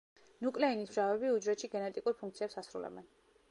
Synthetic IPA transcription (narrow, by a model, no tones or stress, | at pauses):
nukʼlɛinisbʒavɛbiud͡ʒɾɛt̪ʃiɡɛnɛt̪ʼikʼuɾpʰuŋkt̪sʰiɛpsasɾṵlɛ̰bɛn